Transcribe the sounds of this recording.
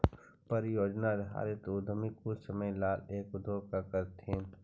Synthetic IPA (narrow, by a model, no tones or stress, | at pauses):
pəɾjoːd͡ʒnaɾɐɦa̰ːɾet̪od̪ʱəmikʊsɐməjlaːleːkʊd̪ʱoːkakəɾt̪ẽː